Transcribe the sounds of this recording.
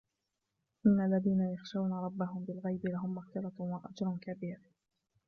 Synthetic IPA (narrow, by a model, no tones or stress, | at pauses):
ʔɪnːalːaðiːnajaxʃawnaɾˤɑbːaɦʊmbɪlɣajbɪlaɦʊmːaɣfɪɾɑwaʔad͡ʒɾˤʊnkabiːɾ